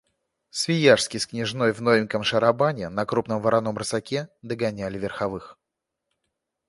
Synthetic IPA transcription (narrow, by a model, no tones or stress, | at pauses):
svʲɪjaʂskʲɪsknʲɪʐno̞jvnovʲɪnʲkəmʂəɾɐbanʲɪnɐkɾupnəmvəɾʔɐno̞mrɨsɐkʲed̪əɡɐnʲælʲɪvʲɪrxɐvɨx